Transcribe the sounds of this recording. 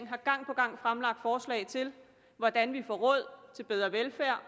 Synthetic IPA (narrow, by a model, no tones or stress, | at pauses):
ŋ̩ɦɑ̈ɡ̥ɑ̈ŋ̰pʰɒ̽ɡ̥ɑ̈ŋ̰fʁamlɑ̈ɡ̥̚d̥fɒːslɛ̰ɪt͡sʰe̝l | ʋɒd̥ænʋifɒ̰ːʁɔ̽ð̰ˠt͡sʰe̝lb̥eð̞ˠʁɐʋelfæɐ̰